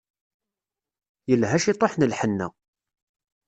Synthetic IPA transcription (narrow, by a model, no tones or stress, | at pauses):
jəlɦæʃit̪ˤoħnəlħənːæ̰